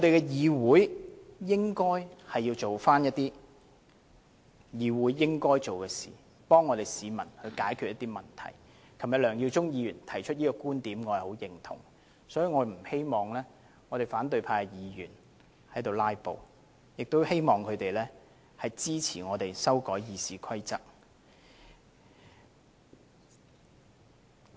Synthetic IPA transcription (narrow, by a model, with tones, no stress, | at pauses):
ŋɔ˨˧t̪e˨jkɛ˧jiː˨˧wuː˨˥jjɪ˥ŋkɔː˥jhɐ˨jːiː˧wt͡so˨wfaː˥njɐ˥t̚t̪iː˥ | jiː˨wuː˨˥jːɪ˥ŋkɔː˥jt͡so˨wkɛː˧sḭː˨˩ | pɔː˥ŋːɔː˨˧ɾe˨jsiː˨˧mɐ˨˩nhɵ˧ɥkaː˨˥jkʰyː˨t̚jɐ˥t̪iː˥mɐ˨nt̪ʰɐ̰˨˩j | kʰɐ˨˩mjɐ˨t̚lœː˨˩ŋji˧wt͡sʊ˥ŋjiː˨˧jyː˨˩nt̪ʰɐ˨˩jt͡ʃʰɵ˥t̚jiː˥kɔː˧kuː˥nt̪iː˨˥mŋɔː˨˧hɐ˨˩ho˨˥wjɪ˨˩ŋt̪ʰʊ̰˨˩ŋ | sɔː˨˥jiː˨˧ŋɔː˨˧m̩˨˩he˥jmɔː˨˩ŋlɛː˥ | ŋɔː˨˧ɾe˨˩jfaː˨˥nt̪ɵ˨˧ɥpʰaː˧kɛ˧jiː˨˧jyː˨˩n | hɐ˨˥jt̪o˨wlaː˥jpo˨w | jɪ˨k̚t̪o˥whe˥jmɔː˨ŋkʰɵ˨˧t̪e˨jlɛː˥ | hɐ˨jt͡siː˥t͡sʰḭː˨˩ŋɔː˨˧t̪e˨jsɐ˥wkɔː˨˥jjiː˨˧siː˨˧kʰɐ˥jt͡sɐ˥k̚